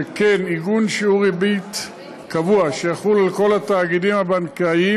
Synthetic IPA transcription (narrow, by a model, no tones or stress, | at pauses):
keniɡunʃiuʁibit̪ | kavuaʃejaχulalko̞lat̪aːɡidimhabankai